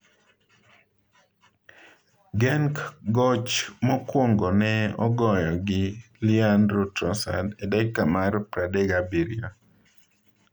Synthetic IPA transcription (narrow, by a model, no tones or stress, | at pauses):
ɡɛŋkɡɔt͡ʃmɔkwoŋɡɔnɛɔ̰ɡɔjɔɡɪ | liandɾotɔsa̰dɛdɛkːamarpɾadɛɡabiɾia